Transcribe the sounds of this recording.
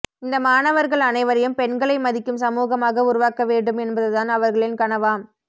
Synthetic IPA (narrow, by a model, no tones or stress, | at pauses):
ɪnd̪ɐmaːnɐʋɐɾɣɐɭɐnɐɪʋɐɾɐjɯmpɛɳɡɐɭɐɪmɐðɪkːɯmsɐmuːɣɐmaːɣɐʊɾʊʋaːkɐʋeːɳɖɯmɛnbɐðɯðaːnɐʋɐɾɣɐɭɪnkɐɳɐʋaːm